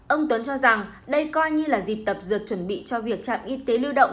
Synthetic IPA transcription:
ʔə˧wŋ͡mt̪wə˨˦nt͡ɕɔ˧za˨˩ŋ | ɗə˧jkɔ˧jɲɨ˧laː˨˩zi˨˩p̚t̪ə˨˩p̚zɨ˨˩ət̚t͡ɕwə˧˩nɓḭ˧˨t͡ɕɔ˧vi˨˩ək̚t͡ɕa̰ː˧˨mʔi˧˥t̪e˨˦lɨ˧ɗə̰˧˨wŋ͡m

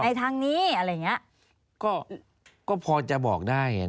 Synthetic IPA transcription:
a˧˩jt̪ʰaː˧ŋniː˦˥˩ʔa˧ɾaː˧˩˨ŋi˦˥ɐ | kɔː˥˩ | kɔː˥˩pʰɔː˧t͡ɕa˨˩bɔː˨˩k̚daː˥˩ja̰˨

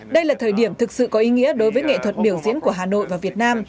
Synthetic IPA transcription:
ɗə˧jlaː˨˩t̪ʰəː˨˩jɗi˧˩əmt̪ʰɨ˨˩k̚sɨ̰˧˨kɔ˨˦ʔi˨˦ŋḭ˧˥əɗo˨˦jvəː˨˦jŋḛ˧˨t̪ʰwə˨˩t̚ɓi˧˩əwzḭ˧˥ənku˧˩əɦaː˨˩no̰˧˨jvaː˨˩vi˨˩ət̚naː˧m

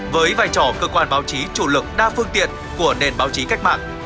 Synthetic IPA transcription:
vəː˨˦jvaː˧˩jt͡ɕɔ˧˩kəː˧kwaː˧nɓaː˨˦wt͡ɕi˨˦t͡ɕṵ˧˩lɨ˨˩k̚ɗaː˧fɨ˧əŋt̪ḭ˧˨ən | ku˧˩əne˨˩nɓaː˨˦wt͡ɕi˨˦ka˦˥k̚ma̰ː˧˨n

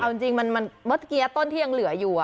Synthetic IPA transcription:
ʔa˧wt͡ɕi˧ŋt͡ɕi˧ŋma˧nma˧nbɤ˦˥t̪̚ʰki˧a˦˥t̪ːo˥˩˨nt̪ʰiː˥˩ja˧ŋlɯ˨˩˦ɐ˦juː˨˩

